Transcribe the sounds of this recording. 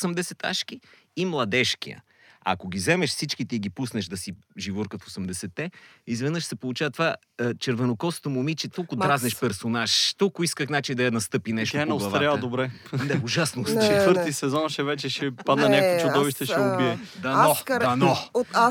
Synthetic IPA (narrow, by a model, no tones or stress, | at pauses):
səmd̪ɛsɛt̪a̰ʃkiː | mlˠɐd̪ɛʃkḭə̰ | ɐ̰koɡ̟ʲizɛmɛʃsit͡ʃkit̪iiɡipusnɛʃd̪ɐsi | ʒivoɾkəfosɛmd̪ɛsɛt̪ːɛizvɛnɤʃsɛpolˠut͡ʃavət̪va | t͡ʃɛɾvɛnokɔst̪omʊmit͡ʃɛt̪ɔlˠkʊt̪ɾaznɛʃpɛɾsonaʃt̪ɔlˠkʊiskəxnat͡ʃid̪ɐjɐnɐst̪ɤpinɛʃt̪oɛnɛɡlsˠɐvaɾjald̪obɾɛ | nɛʊʒasnost͡ʃt͡ʃɛt̪vɤɾt̪isɛzɔnʃɛvɛt͡ʃɛʃɛpad̪nɐnʲakt͡ʃʊɔviʃt̪ɛʃɛʊbiɛd̪ɐɔɐnɔa